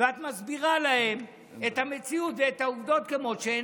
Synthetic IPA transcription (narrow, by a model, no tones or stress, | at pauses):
veat̪mazbiʁalahe̞m | et̪hame̞t͡siutveetauvd̪o̞t̪kemo̞ʃeː